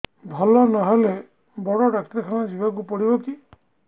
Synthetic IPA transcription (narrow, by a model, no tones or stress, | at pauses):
bʱɔlɔnaɦɔle | bɔɽɔɖakt̪akʰañɔd͡ʒibak̬upɔɽibɔki